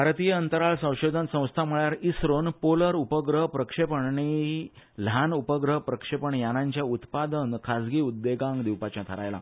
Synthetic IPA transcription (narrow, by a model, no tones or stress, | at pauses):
bʱaɾt̪ijəənt̪əɾaɭsə̃w̃ɕod̪ʱənsə̃w̃st̪ʰaməɭjaɾisɾonpoləɾupəɡɾəɦpɾəkʂepəɳni | l̤anupəɡɾəɦpɾəkʂepəɳjanaɲt͡ɕjaut̪pad̪ənkʰad͡zɡiːud̪ːeɡãŋɡd̪iwpat͡ɕjat̪ʰəɾa̰jla̰